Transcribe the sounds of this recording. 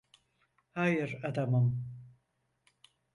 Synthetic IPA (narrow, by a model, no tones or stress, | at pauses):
hajɨɾad̪amɯm